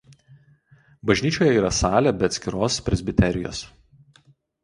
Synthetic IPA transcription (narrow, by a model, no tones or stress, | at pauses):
bɐʒʲnʲiːt͡ʃʲoːjɛiːɾɐsɑːlʲɛbʲɛɐt̪ʲsʲkʲɪɾoːspʲɾʲɛzʲbʲɪt̪ʲɛɾʲɪjo̰ːs